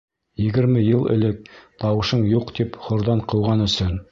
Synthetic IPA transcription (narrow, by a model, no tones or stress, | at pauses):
jɘ̆ɡɘ̆ɾmɘjɤlˠɘ̰̆lɘk̚t̪ʰɑwɤ̆ʃɤɴjuqt̪ipχŏɾd̪ɑɴqʰɤ̆wʁɑnɵ̆sɵn